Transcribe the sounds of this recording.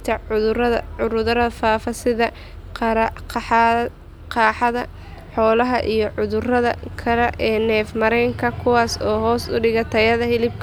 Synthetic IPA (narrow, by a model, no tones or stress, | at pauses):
t̪ʰɐɐɐʕʊɾʊðɐɾɐfaːfɐsɪðɐ | qɾɐqɑħ | qɑːħɑðɐ | ħɔːlɐɦɐʔijɞʕʊðʊrɐðɐ̰kʰɐlɛʔɛːnɛːfmɐɾɛjŋkʰɐkʰʊwaːsɔːɦɔːsʊ̰ɖɪɣɐt̪ʰɐjɐðɐhɪlɪb̚kʰɐ